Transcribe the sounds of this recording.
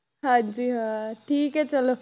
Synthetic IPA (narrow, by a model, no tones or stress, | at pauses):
ɦãd͡ʑiːɦãʈʰiːkɦɛt͡ʃɐlo